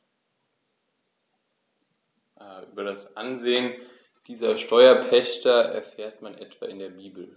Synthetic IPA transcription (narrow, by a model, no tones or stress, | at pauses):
ʔyːbɐdasʔanzeːən | d̥iːzɐʃtɔʏɐpʰɛçtɐʔɛ̰ɐfeːɐtmanʔɛtv̥a̰ːɪndeːɐbiːbl̩